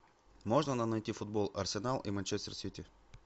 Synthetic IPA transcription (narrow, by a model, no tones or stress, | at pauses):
moʐnənənɐjtʲifʊd̪̚bolˠɐrsʲɪnalˠʔḭmɐnʲt͡ʃɛsʲt̪rsʲit̪ʲɪ